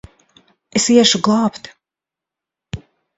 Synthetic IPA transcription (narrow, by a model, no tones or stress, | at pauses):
esiɛʃuɡlˠɑːpt̪